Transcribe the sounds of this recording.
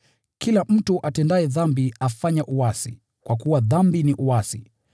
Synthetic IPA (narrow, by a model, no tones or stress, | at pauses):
kʰilam̩tuʔatɛndaɛðambiafaɲaʔuwasḭ | kwakuwaðambiniʔuwasi